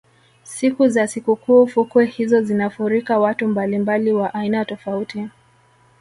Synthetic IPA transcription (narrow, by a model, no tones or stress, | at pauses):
sikuzasikukuːfukwɛhizɔzinafuɾikawatumbalimbaliwaʔainatɔfauti